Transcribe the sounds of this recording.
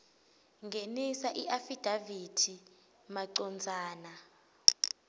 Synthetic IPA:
ŋɡʱenisaʔiʔafid̥ʱavid̥ʰʱi | maǀɔnd͡zʱaːna

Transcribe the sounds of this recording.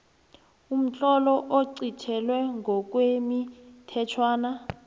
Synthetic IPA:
um̩t͡ɬʼɔlɔʔoǀit͡ʃʰɛlwɛŋʱɔk̬ʼwemitʰɛt͡ʃʰwaːna

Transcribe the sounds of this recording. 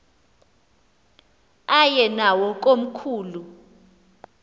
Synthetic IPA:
ajɛnawɔk̬ʼom̩kʰuːlu

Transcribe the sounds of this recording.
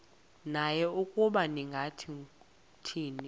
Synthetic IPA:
najɛukʼuɓaniŋɡʱatʰi | tʰiːni

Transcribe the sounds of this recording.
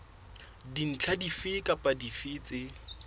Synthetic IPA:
din̩t͡ɬʰadifɪkʼapʼadifɪt͡sʼɪ

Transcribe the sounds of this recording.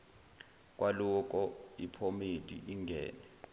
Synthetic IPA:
k̬ʼwʔalɔk̬ʼɔipʰomidʱḭʔiŋɡʱɛ̰ːnɛ

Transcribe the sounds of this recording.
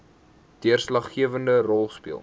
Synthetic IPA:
d̥iərslɐχːiəvəndərɔlˠspḭəlˠ

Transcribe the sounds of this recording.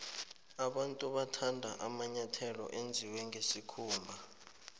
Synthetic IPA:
aɓantʼuɓatʰandʱaʔamaɲatʰɛlɔ̰ʔend͡zʱiwɛŋɡʱesikʰuːmbʱa

